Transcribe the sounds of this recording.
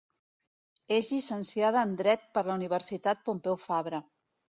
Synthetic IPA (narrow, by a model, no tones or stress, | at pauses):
ezʎisənsjað̞əːnd̪ɾɛt̪̚pəɾləuniβ̞əɾsit̪at̪̚pompɛwfaβɾə